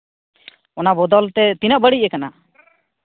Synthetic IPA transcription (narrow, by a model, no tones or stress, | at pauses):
ɔnabɔd̪ɔlt̪ɛt̪inəʔbəɽiəkana